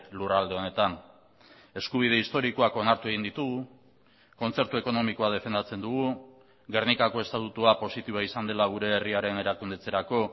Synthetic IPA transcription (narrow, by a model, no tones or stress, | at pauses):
lurald̪e̞o̞ne̞t̪an | e̞skuβ̞ið̞e̞ist̪o̞ɾiko̞ako̞naɾt̪ue̞ɣind̪it̪uɣu | ko̞nt͡se̞ɾt̪ue̞ko̞no̞miko̞að̞e̞fe̞nd̪at͡se̞nd̪uɣ̞u | ɣe̞rnikako̞e̞st̪at̪ut̪uapo̞sit̪iβo̞aisand̪e̞laɣ̞uɾe̞ːriaɾe̞ne̞ɾakund̪e̞t͡se̞ɾako̞